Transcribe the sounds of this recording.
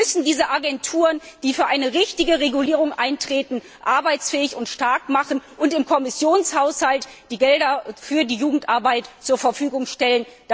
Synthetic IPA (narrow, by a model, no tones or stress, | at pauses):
mʏsn̩diːzəʔaɡɛntʰuːʁənd̥iːfyːɐʔaɪnəʁɪçtɪɡəʁeɡuliːʁ̞ʊŋʔaɪntʁ̥eːtn̩ | ʔaɐbaɪt͡sfɛːɪçʊntʃtaɐkmaχn̩ʔʊntɪmkʰɔmɪsjoːnshaʊshaltd̥iːɡɛldɐfyːɐdiːjuːɡŋ̩tʔaɐbaɪtt͡suːɐfɛɐfyːɡʊŋʃtɛlənd̥